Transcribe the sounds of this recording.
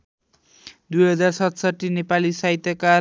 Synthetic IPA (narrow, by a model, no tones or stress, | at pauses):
d̪ujɦʌd͡zarsʌt̪sʌʈːinepalisait̪ʌka